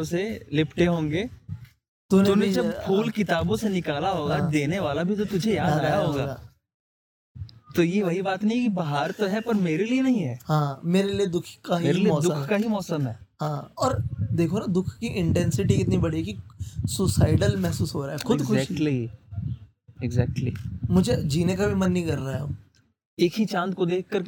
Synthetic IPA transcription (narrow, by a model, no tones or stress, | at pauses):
selɪpʰʈeɦõːŋɡeː | t̪uneuned͡ʒɐbpʰuːlkɪt̪aːbõsenɪkaːlaɦoːɡãd̪eːneʋaːlabʱit̪ot̪ʊd͡ʒʱejaːaːd̪ɾɐaɦoːɡaːɡa̰ː | t̪ojeʋɐɦibaːt̪nɐɦĩɛkibɐɦaːɾt̪oɦɛpɐɾmeːɾelienɐɦĩɦɛːhãːmeːɾelied̪ʊkʰkaɦimɔːsd̪ʊkʰkaɦimɔːsəmɦɛːɦãːɔːɾd̪eːkʰonad̪ʊkʰkiʔɪ̃ɳʈɛ̃nsɪʈ̬ikɪt̪nibɐɽ̤iɦɛkisʊsaːɪɖəlmɛɦsuːsɦoːɾaːɦɛkxʊd̪kʰʊʃːkʈli | ɪɡzɛːk̚ʈlimʊd͡ʒʱed͡ʒiːnẽkabʱimɐnːĩkɐɾːaːeɦo̰ː | eːkɦit͡ʃãːnt̪kod̪eːkʰkɐɾ